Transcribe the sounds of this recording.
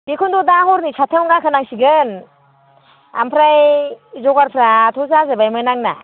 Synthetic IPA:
bikʰundɔdahɔɾnisʰatʰawŋɡakʰɯnaŋsiɡɯn | a̰mpʰɾajzɔɡaɾpʰɾatʰɔzazabajmɯnaŋna̰

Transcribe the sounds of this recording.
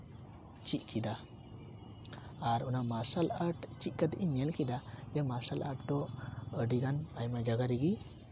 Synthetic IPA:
t͡ʃiʔ̚ˀkʰid̪a | ɾunamasalaʈt͡ʃiʔ̪̚kad̪ʔiɲɛlkid̪ad͡ʒɛmasalaʈt̪ɔəɖiɡanajmad͡ʒaɡaɾiɡi

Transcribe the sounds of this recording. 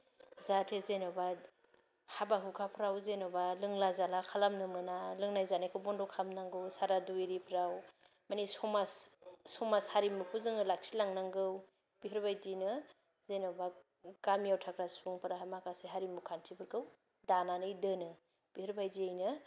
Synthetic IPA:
zatʰezenɔwba | habaɦukʰapʰɯɾawzenɔbalɯŋlazalakʰalamnɯmɯnalɯŋnajzanajkʰɯwbɔndɔkʰamnaŋɡɯwsaɾaduiɾipʰɾaw | manisɔmassɔmashaɾimupʰuzɯŋɯlak̚silaŋnaŋɡɯw | b̥iɦɯɾbajdinɯ | zenɔba | kamjawtʰakɾasuŋpʰɯɾaɦamakaseɦaɾimukʰantʰibʰɯɾkʰɯw | dananɯjdɯnɯ | b̥ihɯɾbajdiejnɯ

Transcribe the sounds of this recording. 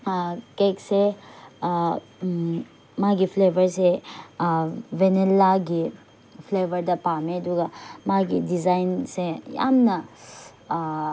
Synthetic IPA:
kekse | maɡipʰlebʱɐɾse | wenelːaɡi | pʰlebʱɐɾdɐpameduɡamaɡidizajnseja̰mnɐ

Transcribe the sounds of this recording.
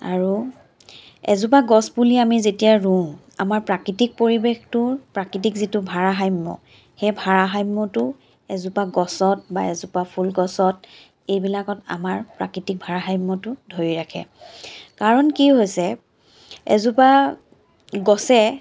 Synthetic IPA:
a̰ɹu | ɛ̰zup̬aɡɔsbuliamizetijaɹũ | a̰maɹpɹakɹitik̚poɹibextʊpɹakɹitikzitʊbʱaɹaɦajmːɔ̰ | xejbʱaɹaɦajmːɔtʊ | ɛzupaɡɔsɔt̚ba̰ɛzupapʰulɡɔsɔt̚ | ejbilakɔta̰maɹpɹa̰kɹitik̚bʱaɹaɦajmːɔtʊdʱoɹiɹakʰɛ̰kaɹɔnkiɦojsɛ | ɛ̰zupa | ɡɔsɛ

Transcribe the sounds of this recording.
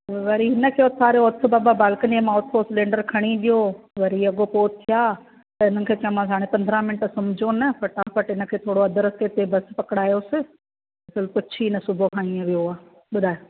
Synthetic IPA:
ʋɐɾiɦɪnə̆kʰeːʊt̪ʰaːɾjoʊt̪ʰʊ̆baːbabaːlkənẽmãʊt̪ʰosɪlẽːɳɖəɾkʰɐɽ̃iɗijoʋɐɾiɐɠopoːt̪ʰːijaː | t̪ɐɪn̤ənɪ̆kʰeːt͡ɕɐmãːsaːɽ̃ẽpɐ̃nd̪ʱɾãmɪnʈsɐmd͡ʑonɐfɐʈãfɐʈɪnə̆kʰeːt̪ʰoːɽoɐd̪əɾət̪et̪ebɐspɐkɽaːjosɪ | ɪsɪlpʊt͡ʃʰiɪnɐsʊbʱokʰaːɳĩə̃ʋijoaː | ɓʊd̪ʱaːjo

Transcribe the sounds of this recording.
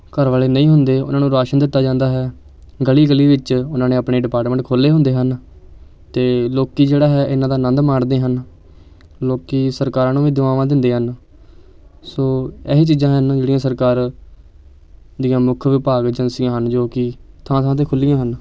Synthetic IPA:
kəɾʋaːleːnəĩːɦʊnd̪eːʊ̰nãːnũːɾaːʃənd̪ɪt̪ːaːd͡ʒãːnd̪aːɦɛː | ɡəliːɡəliːʋɪt͡ʃʊnãːnẽːapɳeːɖɪpaːʈmə̃ɳʈkʰoːlːeːɦʊ̃nd̪eːɦən | t̪eːloːkiːd͡ʒeːɽaːɦɛːʔɪnãːd̪aːnə̃nd̪maːɳd̪eːɦən | loːkiːsəɾkaːɾãːnũːʋiːd̪ʊʋaːʋãːd̪ɪnd̪eːɦən | soːɛːɦeːt͡ʃiːd͡ʒãːɦənd͡ʒeːɽijãːsəɾkaːɾ | d̪ɪjãːmʊkʰʋɪpaːɡd͡ʒənsɪjãːɦənd͡ʒoːkɪt̪ʰãːt̪ʰãːt̪eːkʰʊlːɪjãːɦən

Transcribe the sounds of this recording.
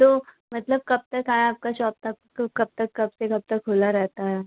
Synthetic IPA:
t̪oː | mɐt̪ləb̚kɐb̚t̪ɐkɦaːẽaːp̚kaʃɔːp̚t̪ʰaː | kkɐb̚t̪ɐkːɐbsekɐb̚t̪ɐkɦoːlaɾɛɦt̪aɦɛː

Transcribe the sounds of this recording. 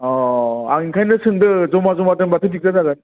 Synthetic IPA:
ɔa̰ŋinkʰajnɯsɯŋdɯzɔmazɔmatɯnbatʰɯtik̚zadaɡan

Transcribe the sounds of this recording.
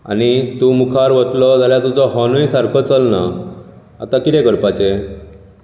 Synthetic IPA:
a̰nit̪umukʰaɾʋət̪lɔd͡zʱaljat̪ud͡zɔɦɔnujsaɾkʰɔt͡səlna | a̰t̪akit̪ẽɡəɾpat͡ɕe

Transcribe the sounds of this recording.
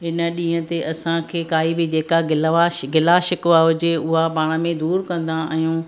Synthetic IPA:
ɦɪnə̆ɗĩːɦə̃t̪eʔɐsãkʰeːkaːibɪd͡ʑeːkaɡɪlʋaɡɪlaʃɪkʋaɦʊd͡ʑeʊɦapaːɽ̃ə̆mẽd̪uːɾkɐ̃nd̪aɦijũː

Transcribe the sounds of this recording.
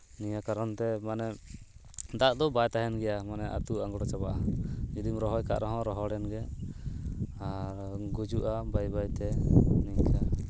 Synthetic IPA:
niɲakaɾɔnt̪ɛmanɛ | d̪aʔd̪ɔbajt̪aɦɛnɡɛjamanɛʔa̰t̪uaŋɡɔɽɔt͡ʃabaʔaid̪imɾɔɦɔjka̰ʔɾɔɦɔ̃ɾɔɦɔɽɛnɡɛ | aɾɡud͡ʒuʔabajbajt̪ɛniɲka

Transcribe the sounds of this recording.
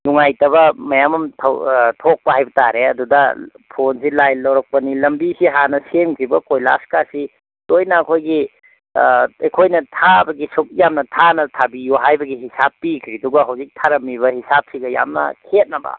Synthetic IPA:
nuŋajtɐβɐmɐjamɐmtʰɐwtʰok̚pɐɦajbɐtaɾeɐdudɐ | pʰonsilajlːɐwɾɐk̚pɐnilɐmbisiɦanɐsemkʰɾibɐkojla̰skasi | dojnɐːkʰojɡi | ejkʰojnɐtʰabɐɡisuk̚jamnɐtʰanɐtʰabijoɦajbɐɡihisapːikʰɾiduɡɐɦɐwzik̚tʰaɾɐmiβɐhisap̚siɡɐja̰mnɐ̰kʰet̚nɐbɐ̰

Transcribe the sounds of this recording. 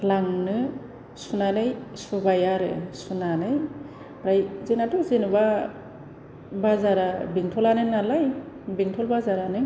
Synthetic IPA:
laŋnɯ | sunanɯjsubajaɾɯ̰sunanɯj | bɾajzenatɔzenba | bazaɾabiŋtʰɔlanɯnalaj | biŋtʰɔlbazaɾanɯ

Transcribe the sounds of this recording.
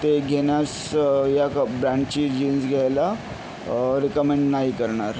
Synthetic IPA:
t̪eɡʱenjas | jakbɾãɳɖt͡ɕid͡ʑinsɡʱajla | ɾikəmeɳɖnaɦikəɾɳaɾ

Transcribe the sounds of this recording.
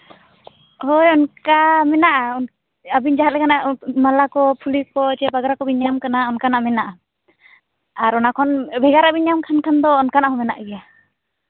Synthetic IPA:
hojɔnkamɛnaʔaɔn | abiɲd͡ʒaɦat̪̚lɛkanaʔmalakɔpʰulikɔt͡ʃabaɡɾakɔbiɲamkanaɔnkanaʔmɛnaʔa | aɾɔnakʰɔnbʱɛɡaɾaʔbiɲamkʰankʰand̪ɔːnkanaʔɦɔmɛna̰ʔɡɛja

